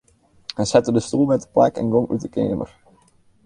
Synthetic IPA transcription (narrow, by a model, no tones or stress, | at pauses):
hɛnsɛtədəstulˠmɛt̚də̥plɛ̰kɛ̰nɡoŋʔy̰t̚dəkḛːmə̰r